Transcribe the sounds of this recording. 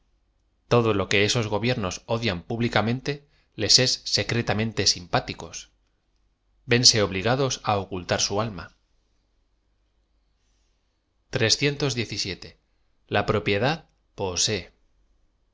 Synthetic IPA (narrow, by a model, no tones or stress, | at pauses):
t̪o̞ðo̞lo̞ke̞e̞so̞zɣ̞o̞βje̞ɾno̞so̞ðjampuβlikamẽ̞nt̪e̞ | le̞se̞sːe̞kɾe̞t̪amẽ̞nt̪e̞simpat̪iko̞s | be̞nse̞o̞β̞liɣ̞að̞o̞saokult̪aɾsualma | t̪ɾe̞sθje̞nt̪o̞zðje̞θisje̞t̪e̞ | lapɾo̞pje̞ðað | po̞se̞